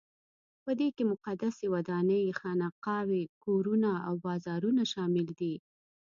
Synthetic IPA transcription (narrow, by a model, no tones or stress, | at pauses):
pəd̪ekemʊqad̪asewad̪ɑnəjxɑnaqɑwekoɾunaawbɑzɑɾunaʃɑmɪld̪i